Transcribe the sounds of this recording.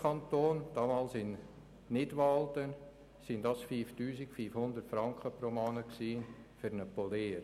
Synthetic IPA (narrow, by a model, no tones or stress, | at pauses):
kʰɑnt̪oːnd̥ɑːmɑːlsɪn | nɪdʋɑltə | sɪndɑsfiːftyːsikfiːfhʊnd̪əɾtfɾɑŋkχəpromɑːnəksiːfyɾnəpoleːɾ